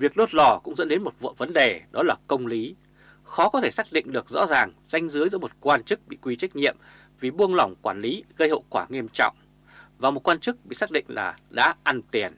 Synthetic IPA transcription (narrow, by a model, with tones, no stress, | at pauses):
vi˨˩ək̚ɗo˦˥t̚lɔ˧˩kʊ̰˧˥ŋ͡mzə̰˧˥nɗe˨˦nmo˨˩t̚və̰˧˨və˨˦nɗe˨˩ɗɔ˨˦laː˨˩kə˧wŋ͡mli˨˦ | xɔ˨˦kɔ˨˦t̪ʰe˧˩saː˦˥k̚ɗḭ̈˧˨ŋ̟ɗɨ˨˩ək̚zɔ̰˧˥zaː˨˩ŋz̥a˧jŋ̟zɨ˨˦əjzɨ̰˧˥mo˨˩t̚kwaː˧nt͡ɕɨ˦˥k̚ɓḭ˧˨kwi˧t͡ɕa˦˥jk̟̚ɲḭ˧˨əm | vi˨˩ɓu˧əŋla˨˧˩wŋ͡mkwaː˧˩nli˨˦ɣə˧jho̰˧˨kwaː˧˩ŋi˧əmt͡ɕɔ̰˧˨wŋ͡m | vaː˨˩mo˨˩t̚kwaː˧t͡ɕɨ˦˥k̚ɓḭ˧˨saː˦˥k̚ɗḭ˧˨ŋ̟la̰ː˨˩ɗa̰ː˧˥ʔa˧nt̪i˨˩ən